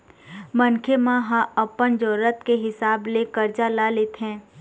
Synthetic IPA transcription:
mə̃nkʰemãɦãəpːənd͡ʒɔːɾət̪keɦɪsaːblekəɾd͡ʒalaleːt̪ɦɛ̃ː

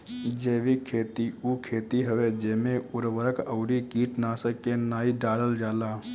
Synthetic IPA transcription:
d͡ʒeːʋikʰeːt̪iukʰeːt̪iɦəʋed͡ʒeːmẽʊɾʋəɾəkəʊɾikiːʈnaːsəkːenaːiɖaːɽəld͡ʒaːlaː

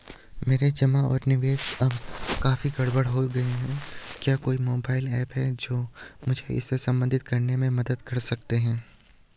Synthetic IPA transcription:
meːɾed͡ʒɐmaɔːɾnɪʋeːsɐbkaːfiɡɐɽbəɽɦoɡɐeɦɛ̃kjaːkoːimoːbaːɪlɛːpɦɛd͡ʒoːmʊd͡ʒʱeɪ̰sːesɐ̃mbə̃nd̪ʱɪt̪̚kɐɾnemẽmɐd̪əd̪kɐɾsɐk̚t̪eɦɛ̃ː

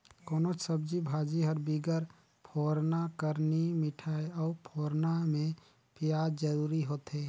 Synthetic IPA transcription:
koːnot͡ʃsəb̚d͡ʒibʱaːd͡ʒiɦəɾbiɡəɾ | pʰoːɾnakəɾnimɪʈʰaeɔːpʰoːɾnamẽ | pjaːd͡ʒəɾuːɾiɦoːt̪ɦeː

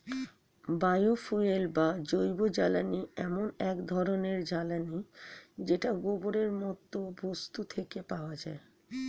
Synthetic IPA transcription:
bajofuelbad͡ʑojbod͡ʑalaniɛmonɛkd̪ʱɔɾoneɾd͡ʑalanid͡ʑeʈaɡoboɾeɾmɔt̪ːobost̪ut̪ʰekepaoad͡ʑae

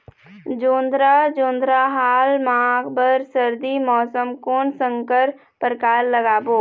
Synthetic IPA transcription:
d͡ʒoːnd̪ɾad͡ʒõːnd̪ɾaɦaːlmãːɡbəɾsəɾd̪imɔːsəmkoːnsə̃ŋkəɾ | pəɾkaːɾləɡaːboː

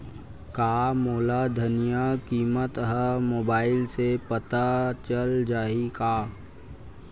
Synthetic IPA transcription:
kaːmoːlad̪ʱənijakiːmət̪ɦəmoːbaːɪlsepət̪at͡ʃəld͡ʒaːikaː

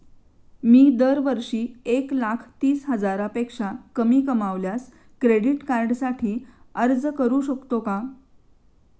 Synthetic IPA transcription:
miːd̪əɾʋəɾʂiːeklakʰt̪iːsɦəd͡zaɾapekʂakəmiːkəmaʋljas | kɾeɽiʈkaɾɖsaʈʰiː | əɾd͡zkəɾuɕəkt̪oka

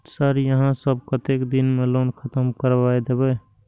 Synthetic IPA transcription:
saɾjəɦãsəb̚kət̪ekd̪inmelonkʰət̪əmkəɾbajd̪ebɛ

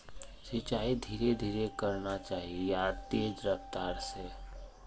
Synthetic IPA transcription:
sit͡ʃaːid̪ʱiːɾed̪ʱiːɾekəɾnat͡ʃaːɦiejat̪eːd͡ʒɾəft̪aːɾse

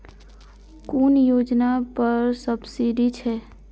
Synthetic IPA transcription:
kuːnjoːd͡ʒnapəɾsəbsiɖit͡ʃʰɛː

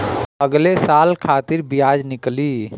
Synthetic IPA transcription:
ɐɡlesaːlkʰaːt̪ɪɾbɪjaːd͡ʒnɪkliː

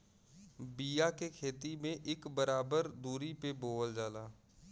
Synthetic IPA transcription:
biːjakekʰeːt̪imẽʔɪkbəɾaːbəɾd̪uːɾipeboːld͡ʒaːlaː

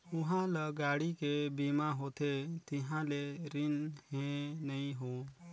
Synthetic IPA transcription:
ʊɦãləɡaɽikebimaɦot̪ʰet̪iɦãleɾinɦẽnəĩɦo

